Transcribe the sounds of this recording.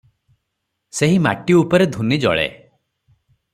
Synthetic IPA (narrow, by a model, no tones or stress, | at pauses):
seɦima̰ʈiupɔɾed̪ʱunid͡ʒɔ̰ɭḛ